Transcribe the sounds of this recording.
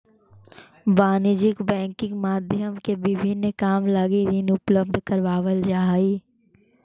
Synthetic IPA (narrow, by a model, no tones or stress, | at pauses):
baːnɪd͡ʒɪkbɛ̃ːŋkɪ̃ŋɡmaːd̪ʱjəmkebɪbʱɪnːkaːmlɐɡiɾinʊpləb̚d̪ʱkɐɾʋaːʋəld͡ʒaːiː